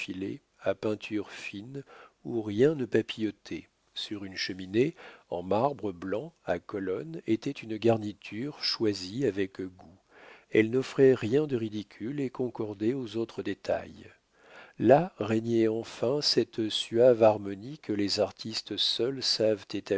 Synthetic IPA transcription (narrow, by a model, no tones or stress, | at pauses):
filḛ | apɛ̃t̪ʰyʁfinuʁjɛ̃nəpapijɔt̪ʰe | syʁynʃəmineɑ̰̃maʁbʁəblɑ̃akɔlɔnet̪ɛt̪ynɡaʁnit̪ʰyʁʃwaziavɛkɡu | ɛlnɔfχɛʁjɛ̃d̪əʁid̪ikʲʰylekɔ̃kɔʁd̪eozot̪χəd̪et̪ʰa̰j | laʁeɲɛɑ̃fɛ̃sɛt̪syavaʁmɔnikəlezaʁt̪ʰist̪sœlsavt̪et̪a